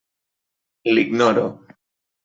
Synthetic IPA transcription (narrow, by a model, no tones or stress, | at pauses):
liɡnoɾo̰